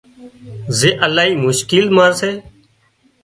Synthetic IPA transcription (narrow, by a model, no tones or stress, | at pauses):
zeːʔəlaːɦiːmʊʃkiːlmaːɾseː